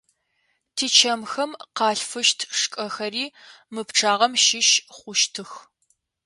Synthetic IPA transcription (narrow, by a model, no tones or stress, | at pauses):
tʰiːt͡ʃʰɐmxɐmqɑːɬfɨʃtʰʂkʼɐxɐriː | mɨpʈ͡ʂʰaːʁɐmʃɪʃχʷʊʃtʰɨx